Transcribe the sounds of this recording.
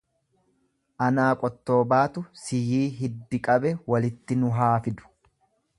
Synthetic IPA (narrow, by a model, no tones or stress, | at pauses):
ʔɐnaːkʼɔt̪ːo̞ːbaːt̪ʊsɪjiːɦɪd̪ːɪkʼɐbɛwɐlɪt̪ːɪnʊɦaːfɪd̪ʊ̥